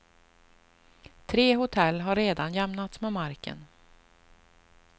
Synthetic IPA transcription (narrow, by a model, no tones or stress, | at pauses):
t̪ʰɾeːɦʊt̪ʰɛlːɦaɾeːd̪anjɛmnat̪smɛːmaɾkə̰n